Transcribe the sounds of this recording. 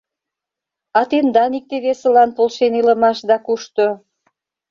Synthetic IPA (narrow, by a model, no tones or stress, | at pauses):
ɑt̪end̪ɑnik̚t̪eβesə̆lɑnpolʃenilə̆mɑʃd̪ɑkuʃt̪o